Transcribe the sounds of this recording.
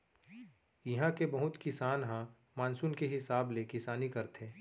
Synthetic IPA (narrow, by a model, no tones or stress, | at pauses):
jɐɦãkebɐɦʊt̪kɪsaːnɦã | maːnsunkeɦɪsaːblekɪsaːnikɐɾt̪eː